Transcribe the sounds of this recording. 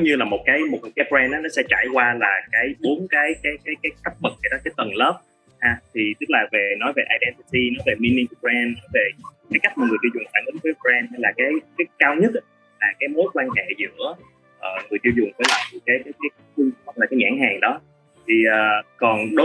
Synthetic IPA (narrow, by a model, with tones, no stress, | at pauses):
ɲɨ˧laː˨˩mo˨˩t̚kaː˨˦jmo˨˩t̚kaː˨˦jpɛ˧nʔaː˨˦nɔ˨˦sɛ̰˧˥t͡ɕa̰ː˧˩jkwaː˧laː˨˩kaː˨˦jɓo˨˦ənkaː˨˦jkaː˨˦jkaː˨˦jkaː˨˦jkə˦˥p̚mə˨˩k̚za˨˩jɗɔ˨˦kaː˨˦jt̪ə˨˩nləː˦˥p̚ | haː˧t̪ʰi˨˩t̪ɨ˦˥k̚laː˨˩ve˨˩nɔ˨˦jve˨˩ʔaː˧jɗɛ˧nt̪i˧ti˧nɔ˨˦jve˨˩mi˧ni˧ŋpɛ˧nːɔ˨˦jve˨˩kaː˨˦ka˦˥jk̚maː˨˩ŋɨ˨˩əjt̪i˧wzʊ˨˩ŋ͡mfaː˧˩nʔɨ˨˦ŋ̟vəː˨˦jpzɛ˧nha˧jlaː˨˩kaː˨˦jkaː˨˦jkaː˧wɲə˦˥t̚ | laː˨˩kaː˨˦jmo˨˦jkwaː˧nɦḛ˧˨zɨ̰˧˥ə | ʔəː˨˩ŋɨ˨˩əjt̪i˧wzʊ˨˩ŋ͡mvəː˨˦jlaː˨˩t̪ɨ˨˩kaː˨˦jkaː˨˦jkaː˨˦jkaː˨˦jxɨ˧ŋ˦ə˧wŋ͡mlaː˨˩kaː˨˦jɲa̰ː˧˥ŋɦhaː˨˩ŋɗɔ˨˦ | t̪ʰi˨˩ʔəː˨˩kɔ˨˩nɗo˨˦